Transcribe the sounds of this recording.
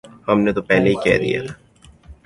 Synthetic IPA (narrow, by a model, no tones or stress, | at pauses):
hɐmnet̪opɛɦleikɛ̰ːd̪ḭja̰t̪ʰaː